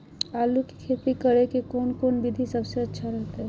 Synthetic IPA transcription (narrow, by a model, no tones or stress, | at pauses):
aluki̥kʰet̪ikəɾekekonkonbid̪ʱisəbseətːʃʰaɾəɦt̪e